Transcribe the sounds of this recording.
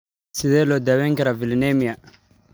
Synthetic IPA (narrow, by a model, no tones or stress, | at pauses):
sidɛlodaβɛŋkɛɾavilinemija